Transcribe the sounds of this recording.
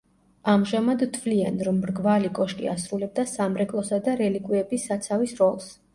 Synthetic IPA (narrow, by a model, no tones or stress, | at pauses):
amʒamad̪t̪ʰvlianɾɔmːɾɡvalikʼɔʃkʼḭasɾulɛb̚d̪asamɾɛkʼlˠɔsad̪aɾɛlikʼwiɛbisːat̪sʰavisɾɔlˠs